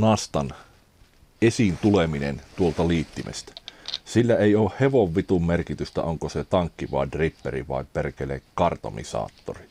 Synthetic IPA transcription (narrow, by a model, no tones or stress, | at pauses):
nɑst̪ɑn | esint̪uleminḛnt̪uolt̪ɑliːt̪ːimʔḛst̪æ̥silːæeioːhheʋoʋːit̪ummerkit̪yst̪æ̰oŋkoset̪ɑŋkːiʋɑ̰idripːerḭʋɑ̰iperkelḛkɑrt̪o̰mḭsɑ̰ːt̪ːori